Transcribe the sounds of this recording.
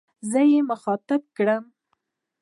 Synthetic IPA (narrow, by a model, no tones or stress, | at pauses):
zəjeməxɑt̪ab̚kɽəm